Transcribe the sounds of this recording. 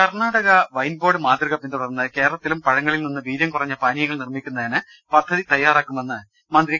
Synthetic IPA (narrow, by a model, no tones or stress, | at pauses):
kɐrnaːɽɐɣɐʋɐjnbo̞ːɖɨmaːd̪riɣɐpːend̪upɐnːɐðke̞ːɾɐɭɐt̪ːilumpɐɻɐŋːɐɭilninːɨʋiːðjɐmkurɐɲːɐpaːnijɐŋːɐɭnirmikʲːunːɐðenɨ | pɐd̪ʱːɐðit̪ɐjːaːraːkːumenːɐð | mɐnd̪ri